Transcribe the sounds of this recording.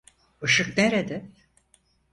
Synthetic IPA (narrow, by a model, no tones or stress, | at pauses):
ɯʃɯk̚neɾed̪ɪ